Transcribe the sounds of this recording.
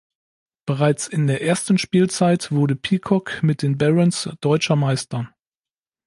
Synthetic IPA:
b̥əʁaɪt͡sɪndeːɐʔeːɐstn̩ʃpiːlt͡saɪtv̥ʊɐdəpʰiːkʰɔkmɪt̚d̥eːnbɛʁənsd̥ɔʏt͡ʃɐmaɪstɐ

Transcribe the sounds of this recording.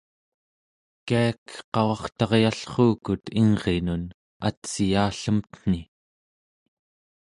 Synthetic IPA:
kiakqɑwɑχt̪ɑʁjaɬχuːkut̪iŋʁe̞nun | a̰t̪sijaːɬəmt̪n̥i

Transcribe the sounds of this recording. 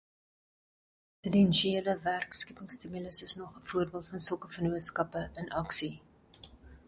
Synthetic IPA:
sədɛnʃieːləværkskipəŋstimiləsəsnɔχəfuərbiəlˠtfɐnsəlˠkəfənuətskɐpəʔənʔɐksi

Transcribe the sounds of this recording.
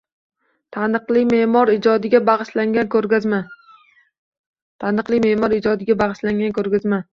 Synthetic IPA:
t̪ʰanɨqlˠɪmeʔmɒɾɪd͡ʒɒd̪ɪɡʲabaʁɨʃlaŋʲankɵɾɡʲazma | t̪ʰanɨqlˠɪmeʔmɒɾɪd͡ʒɒd̪ɪɡʲabaʁɨʃlaŋɡʲankʰɵɾɡʲazma

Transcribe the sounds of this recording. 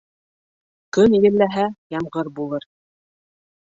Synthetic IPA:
kɵnjɘ̆llːæɦæjɑmʁɤɾbulˠɤɾ

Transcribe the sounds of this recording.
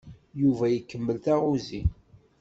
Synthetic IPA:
juvæjəkːəmːəlθæʁuzi

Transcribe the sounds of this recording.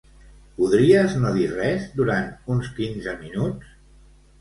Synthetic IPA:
puðɾiəznoðirɛzd̪uɾant̪unskinzəminut͡s

